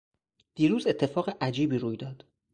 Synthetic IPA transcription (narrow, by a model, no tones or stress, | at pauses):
d̪̥iːɾuːze̞t̪ʰːe̞fɒːɣeʔæd͡ʒiːbiːɾuːjd̪ɒːd̪̥